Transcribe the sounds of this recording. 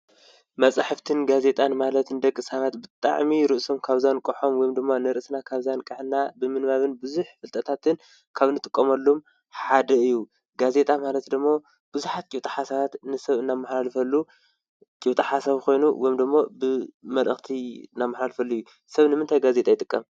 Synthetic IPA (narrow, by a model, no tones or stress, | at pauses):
mɐt͡sʼaħɨft̪ʰɨnɡaze̞t̪ʼanmalɐt̪ɨnd̪ɐkʼːɨsaβat̪bɨt̪ʼa̰ʕmiɾɨʔsomkʰaβzankʼɨħo̞mwɔjimd̪ɨmːanɨɾɨʔɨsnakʰaβzankʼɨħnabɨmɨnmaβɨnbɨzuħfɨlt̪ʼɐt̪ʰat̪ʰɨn | kʰaβnɨt̪ʼɨkʼːɐmɐlːom | ħad̪ɐɨjːu | ɡaze̞t̪ʼamalɐt̪d̪ɨmːo | b̥ɨzuħat̪̚t͡ʃʼiwt̪ʼɐħasaβat̪nɨsɐβɨnːamːaħlalɨfɐlːu | t͡ʃʼiwt̪ʼaħasaβkʰo̞jnuwɔjumd̪ɨmːobɨmɐlʔɨxt̪ʰiɨnːamːaħlalɨfɐlːuɨjːu | sɐβnɨmɨnt̪ʰajɡazet̪ʼajɪt̪ʼɨkʼːɐm